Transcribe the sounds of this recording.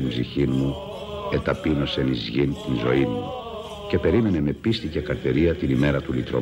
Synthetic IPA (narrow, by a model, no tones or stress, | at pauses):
imbziçinmu | e̞t̪ɐpino̞se̞nizʝint̪inzo̞imu | ce̞pe̞ɾime̞ne̞me̞pist̪icekɐɾθeɾiɐt̪inime̞ɾɐt̪ulit̪ɾo̰